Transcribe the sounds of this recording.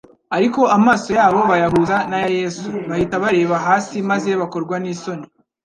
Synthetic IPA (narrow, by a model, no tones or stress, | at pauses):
aɾiko̞ʔamaːso̞jaːβo̞βajaɦuzanajaje̞ːsuβahitaβaɾe̞ːβaɦaːsimaze̞βako̞ɾɡwaniːso̞ni